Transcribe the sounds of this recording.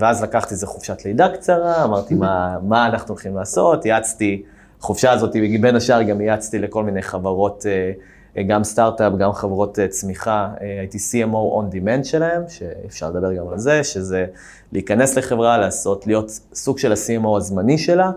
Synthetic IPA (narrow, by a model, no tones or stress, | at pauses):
veazlakaχt̪izeχuvʃatleid̪akt͡saʁaːmaʁt̪imamaːnaχnulχimlaːso̞tjat͡sti | aχuvʃaːzo̞t̪ibeɡibenaʃaʁɡamjat͡st̪ile̞ko̞lminejχavaʁo̞t̪e | ɡamstaʁtapɡamχevʁo̞t̪et͡smiχaeajit̪isiemowʔond̪ime̞ntʃelahe̞mʃeifʃa̰ʁled̪abe̞ʁɡamalzeʃe̞ze̞ | liikane̞sleχe̞vʁalaːso̞tlijo̞t̪suɡʃelasiemowazmaniʃe̞la